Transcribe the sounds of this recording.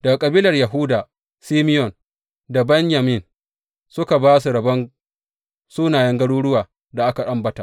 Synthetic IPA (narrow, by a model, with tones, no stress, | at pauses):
d̥ɐ˨ɡa˨kʼɐ˨biː˦lɐ˨rjɐ˨ɦʊ˦daː˨ | siː˦mɪ˦jɔ˨n | da˨bɛ˦ɲja˨mɪ˦˨n | sʊ˦ka˨baː˦s̬u˨ɽɐ˨bɐ˦ŋ | suː˦naː˨jɛ˦ŋɡɐ˦ɽuː˦ɽʊ˦waː˨ | da˨ʔa˦ka˨ɗɐ˦mbɐ˦ta˨ʔ